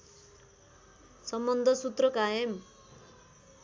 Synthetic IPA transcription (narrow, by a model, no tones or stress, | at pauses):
sʌmbʌnd̪ʱʌsut̪rʌkajʌm